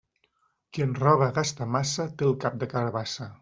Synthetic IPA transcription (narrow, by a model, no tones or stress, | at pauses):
kiənrɔβəɣast̪əmasət̪elˠkap̚d̪əkəɾβasə